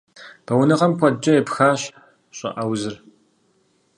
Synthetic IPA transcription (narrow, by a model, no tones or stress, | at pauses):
b̥ɐwnɨʁɐmkʷʰɐd͡ʒɐepxaːɕ | ɕʼɐ̰ʔɐwzɨr